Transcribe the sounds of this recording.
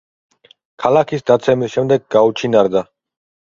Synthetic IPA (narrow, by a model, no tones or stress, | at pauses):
kʰalakʰisd̪at̪sʰɛmisʃɛmd̪ɛɡɡaut͡ʃʰinaɾd̪a